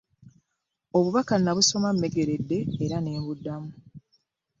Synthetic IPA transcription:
o̞βuβakanːaβuso̞mamːe̞ɡe̞ɾe̞dːe̞ːɾane̞ːmβudːamu

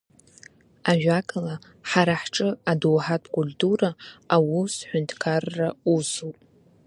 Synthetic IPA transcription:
aʒᶣakʰʼala | ħaɾaħʈ͡ʂʼɨadowħatʰʼkʼultʰʼuɾaːwusħʷʏntʰkʰarːausupʼ

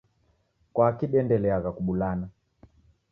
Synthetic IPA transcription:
kwakiɗɛndɛlɛaɣakuɓulana

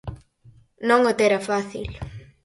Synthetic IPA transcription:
nõŋot̪eɾɐfaθḭl

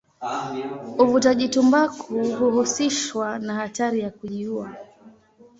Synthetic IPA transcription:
uvutaʄitumbakʰuɦuhusiʃwanahataɾijakuʄiua

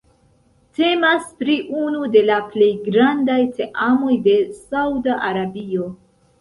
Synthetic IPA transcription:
te̞maspɾiʔunude̞laple̞jɡɾandajte̞ʔamo̞jde̞sawdaʔaɾabio̞

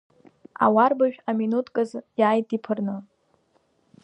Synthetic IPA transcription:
a̰warbaʒᶣaminutʰʼkʼɨzjaːjtʼipʰɨrnɨ

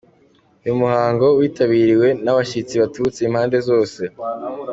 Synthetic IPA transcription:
ujumuhaːŋɡo̞wiːtaβiːɾiwe̞naβaʃit͡siβatut͡seiːm̥haːnde̞zo̞ːse̞

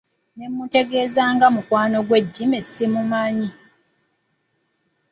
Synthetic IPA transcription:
nemːute̞ɡe̞ːzaːŋɡamukwaːno̞ɡweɟːimesimumaːɲi

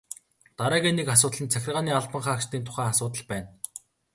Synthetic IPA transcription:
t̪aɾæːɣʲeːnekas̬ʊːt̪ɮə̆nt͡sʰæxʲɪ̆rʁaːniːaɮpə̆ɴχaːkʃt̪iːnt̪ʰʊ̥χæːŋasʊːt̪ə̆ɮpæːn

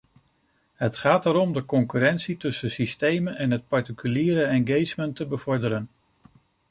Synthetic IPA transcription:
ɦətχaːtəɾɔmdəkɔŋkyɾɛntsitɵsəsistejmənʔɛnɦət̚pɑɹtikyliːɾəɛnɡejsməntəbəv̥ɔɹdəɾən

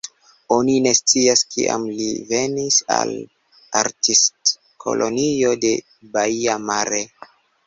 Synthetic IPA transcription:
o̞nine̞st͡siaskʰḭʔa̰mlive̞nisa̰l | aɾtist | kʰo̞̰lʔo̞nio̞de̞ | baiamaɾe̞

